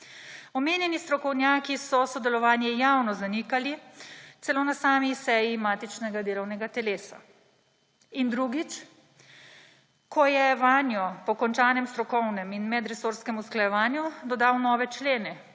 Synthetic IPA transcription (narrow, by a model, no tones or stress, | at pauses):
ɔmeːnjɛnist̪ɾɔkɔwnjaːkisɔsɔd̪ɛlɔʋaːnjɛjawnɔzanikalit̪sɛloːnasaːmisɛjimaːt̪it͡ʃnɛɡad̪eːlɔwnɛɡat̪ɛleːsa̰ | ind̪ɾuɡit͡ʃ | kʰɔjɛʋaːnjɔpɔkɔnt͡ʃaːnɛmst̪ɾɔkɔwnɛminmɛd̪ɾɛsoːɾskɛmusklajɛʋaːnjud̪ɔd̪aːwnɔːʋɛt͡ʃleːnɛ